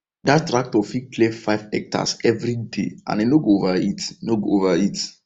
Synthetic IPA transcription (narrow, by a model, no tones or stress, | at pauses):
dattɾak̚tɔfiklefaɪvɛk̚ta̰sɛvɾidḛã̰nenoɡoovaitenoɡoovait